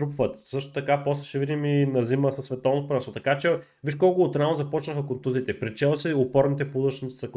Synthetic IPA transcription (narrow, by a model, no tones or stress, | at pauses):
t̪ɾupvət̪sɤʃt̪o̥t̪ɐkapɔsˠɐʃɛvid̪iminɐziməsɐsːvɛt̪ɔvnt̪pɾɛsot̪ɐkat͡ʃɛ | viʃkɔlˠkʊːt̪ɾanzɐpɔt͡ʃnəxəkont̪uziːt̪ɛpɾɛt͡ʃɛlˠsɛopɔɾnit̪ɛpoud̪əʃnsɐk